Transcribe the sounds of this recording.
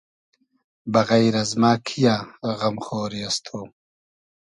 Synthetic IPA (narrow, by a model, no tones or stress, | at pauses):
bɐɣajɾɐzmaːkʰijaːɣɐmχoːɾiast̪ʰoː